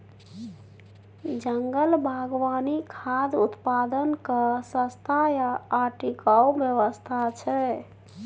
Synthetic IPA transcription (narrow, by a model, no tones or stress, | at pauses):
d͡ʒəŋɡəlbʱaɡwanikʰad̪ut̪pad̪ənkəsə̃st̪ʰajaːʈikaubjəʋəst̪ʰat͡ʃʰɛ